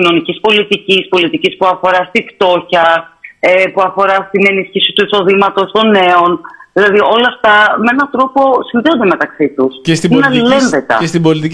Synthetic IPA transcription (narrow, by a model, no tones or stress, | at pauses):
ino̞nicispo̞lit̪icispo̞lit̪icispuɐfo̞ɾɐst̪ift̪o̞çɐepuɐfo̞ɾɐst̪ine̞lisçisi̥t̪uiso̞ðimɐt̪o̞st̪o̞ne̞o̞nðilɐðiʔo̞lɐːft̪ɐmeenɐt̪ɾo̞po̞sinðeo̞nd̪eme̞t̪ɐksit̪usestinnɐle̞nðe̞t̪ɐ̰est̪ibolit̪i